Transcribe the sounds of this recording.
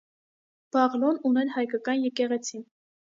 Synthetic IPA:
b̥ɑʁlɔnunɛɾhɑjkɑkɑnjɛkɛʁɛt͡sʰin

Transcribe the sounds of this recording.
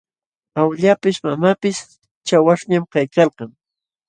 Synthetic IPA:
awʎapɪsmamapɪs | t͡ʃawaʂɲamkajkɑlqɑŋ

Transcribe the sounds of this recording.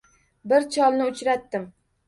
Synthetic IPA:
bɪɾt͡ʃʰɒlˠnɪʊt͡ʃɾat̪ːɪm

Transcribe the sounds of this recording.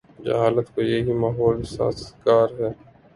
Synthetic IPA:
d͡ʒə̰ɦaːlət̪koːjeːɦimaːɦoːlsa̰ːskaːɾɦɛː

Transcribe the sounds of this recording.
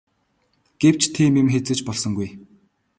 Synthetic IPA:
ɡ̥ew̥t͡ɕʰt̪ʰiːmemxet͡sɘ̆t͡ɕpɔɮsɞ̆ŋɡuj

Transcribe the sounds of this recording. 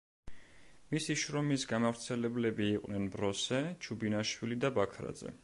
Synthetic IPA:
misiʃɾɔmisɡamavɾt̪sʰɛlɛblɛbiːqʼwnɛnbɾɔsɛt͡ʃʰubinaʃwilid̪abakʰɾa̰d̪zɛ̰

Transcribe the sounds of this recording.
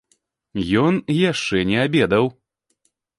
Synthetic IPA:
jɔnjaʂt͡ʂɛnʲɛabʲɛd̪ɐw

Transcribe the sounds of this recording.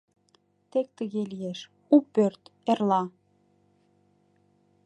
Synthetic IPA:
t̪ek̚t̪əɣelijeʃ | upːørt̪erlɑ

